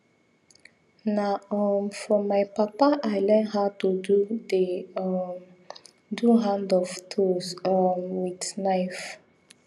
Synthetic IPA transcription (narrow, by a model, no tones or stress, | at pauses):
naɔmfɔmajpapaʔaɪlɛnɦatudude | duɦãndɔftʰosɔmwidnaɪf